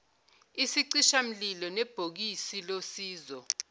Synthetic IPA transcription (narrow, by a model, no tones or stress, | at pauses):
isiǀiʃam̩lilɔnɛb̥ʱok̬isilosiːzɔ